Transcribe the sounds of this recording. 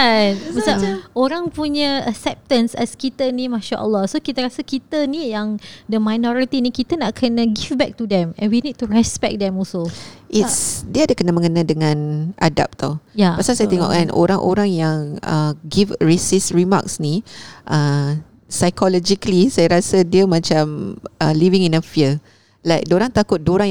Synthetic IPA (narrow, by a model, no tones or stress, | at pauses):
anməsaʔoɾaŋpuɲəəksɛp̚t̪ə̃nsɛ̰skit̪ənimãʃaʔə̰lːɔhsokit̪əɾasəkit̪ənĩjaŋdəmajnɔɾit̪inikit̪ənaʔkʰənə̃ɡifbɛk̚t̪udɛ̃mɛ̰̃nwinid̚t̪uɹɛspɛk̚dɛ̃mɔsolʔitsdiaːdakənamə̃ŋənadəŋãnʔa̰da̰p̚t̪awjapasalsajat̪eŋɔ̰ʔkanʔo̰ɾaŋʔo̰ɾaŋjaŋə̰ɡifɹesisɹima̰ksniʔə | sajkɔlɔd͡ʒikəlisajaɾasədiəmãt͡ʃamʔəlivĩŋĩnəfiə | laɪjk̚doɾaŋt̪akʊt̪̚doɾaŋj